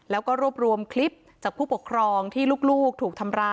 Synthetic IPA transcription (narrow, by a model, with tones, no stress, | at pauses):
lɛː˦˥wkɔː˥˩ɾu˥˩əp̚ɾu˧əmkʰli˦˥p̚ | t͡ɕaː˨˩pʰuː˥˩pu˨˩kʰɾɔː˧ŋt̪ʰiː˥˩luː˥˩k̚luː˥˩k̚t̪ʰuː˨˩k̚t̪ʰa˧mɾaː˧˩